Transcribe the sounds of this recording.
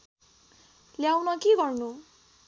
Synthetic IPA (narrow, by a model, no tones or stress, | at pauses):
ljawnʌkiɡʌrnu